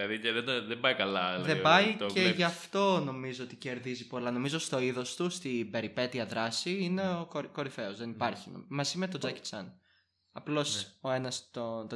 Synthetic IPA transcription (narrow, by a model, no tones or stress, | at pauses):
ɐðieðeðebɐikɐlɐlɐðebɐiceʝɐft̪o̞no̞mizoot̪ice̞ɾðizipo̞lɐno̞mizo̞st̪o̞iðo̞st̪ust̪ibe̞ɾipe̞t̪iɐðɾɐsiine̞okoko̞ɾife̞ozðenipɐɾçino̰mɐzimet̪o̞d͡zɐct͡sɐn | ɐplo̞soe̞nɐst̪ot̪o